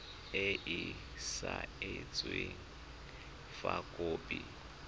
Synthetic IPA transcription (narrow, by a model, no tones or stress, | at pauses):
eʔɪ | saɪt͡sʼweŋ̩ | fakʼoːpʼi